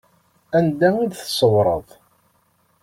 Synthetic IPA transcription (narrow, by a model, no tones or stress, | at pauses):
ænd̪æid̪θsˤəwɾˤə̰ðˤ